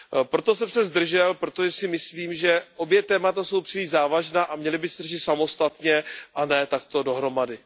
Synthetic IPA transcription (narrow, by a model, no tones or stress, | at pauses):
pɾo̞t̪o̞sɛmsɛzd̪r̩ʒɛlpɾo̞t̪oʒɛsɪmɪsliːmʒɛʔo̞bjɛt̪ɛːmat̪aso̞wpr̥ɪlɪʒzaːvaʒnaːʔamɲɛlɪbɪsd̪rʒɪt̪samo̞st̪at̪ɲɛʔanɛt̪akt̪o̞do̞ɦɾo̞madɪ